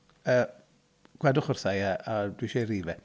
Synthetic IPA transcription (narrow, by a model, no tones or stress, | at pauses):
əː | ɡ̥wɛdʊχʊr̥θajaadwiʃeriːvɛ